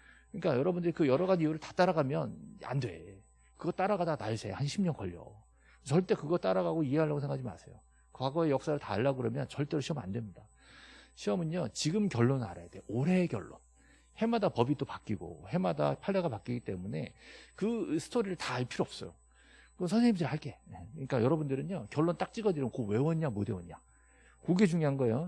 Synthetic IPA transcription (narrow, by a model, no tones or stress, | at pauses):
kɯɲik͈ajʌɾʌbundɯɾikɯjʌɾʌɡad͡ʑijuɾɯɭtḁt͈aɾaɡamjʌna̰ndwe̞̰ | kɯɡʌt͈aɾaɣadanaɭsʰe̞̰hanɕʰimɲʌnkʌ̰ʎːʌ̰ | t͡ɕʌɭt͈e̞kɯɡʌt͈aɾaɣaɡoie̞ɦaɭːaɡosʰeŋɡad͡ʑima̰sʰḛjo̰ | kwaɡʌe̞jʌk̚s͈aɾɯɭtaːɭːaɡɯɾʌmjʌnt͡ɕʌɭt͈e̞ɾoɕʰiʌmnandwe̞mɲida | ɕʰiʌmɯɲʌt͡ɕiɡɯmkjʌɭːona̰ɾa̰jad̥e̞oɾe̞ɡjʌɭːo̰n | he̞madapʌbit͈opak͈iɡo̰he̞mada̰pʰaɭːeɡapak͈iɡit͈e̞̰mune̞kɯsʰɯ̥tʰoɾiɾɯɭtaɭpʰiɾoʌp̚s͈ʌjo | kɯʌnsʰʌnsʰeŋɲidɾɭhaɭk͈e̞ekɯɲik͈ajʌɾʌbundɯɾɯnokjʌɭːont͈ak̚t͡ɕ͈iɡʌdiɾʌkowe̞wʌɲamode̞wʌɲa | koɡed͡ʑuŋiɦanɡʌejo